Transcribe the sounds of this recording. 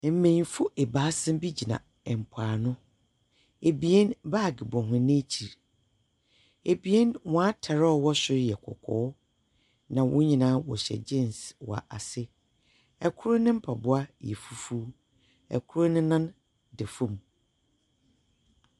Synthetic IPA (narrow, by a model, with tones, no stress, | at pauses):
m̩˨mẽ˨fʊ˦ʔe˨baː˨˦sɪ̃˦m˦bi˦d͡ʑi˨nã̰˨ | ɛ˨m̩˨pʰaː˨nʊ̃˦ | e˨bi˨e˦nba˦˨ɡɪ˨bɔ̃˨ɦʊ̃˨˦nɪ̃˦e˦t͡ɕʰi˨ɾ | e˨bi˨e˦nwɔ̃˨a˦tʰa˨ɾɔ˦˨wɔ˦ɕᶣɪ˦ɾjɛ˨kʰɔ̰˨kʰɔ̰ː˨˦ | nã˨wʔʊ̰̃˦ɲĩ˨nãː˦wɔ̰˨ɕɛ̰˨d͡ʑɪ̃˦˨nswɔ̰˨a̰˨ʔa˨sɪ˦ | ɛ˨kʰʊ˦ɾʊ˦nɪ̃˦m̩˦pʰa˨bʊ˦a˦jɛ˨fu˦fu˦ | ɛ̰˨kʰʊ˦ɾʊ˦nɪ̃˦nã˦n | dɪ˨fũ˨m˨